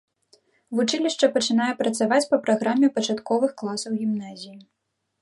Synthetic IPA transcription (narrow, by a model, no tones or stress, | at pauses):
vut͡ʂɨlʲiʂt͡ʂɐpɐt͡ʂɨn̪ajɛpɾɐt̪savat͡sʲpɐpɾaɣɾamʲɛpɐt͡ʂat̪kɔvɨxklˠasɐwɣʲimnazʲiji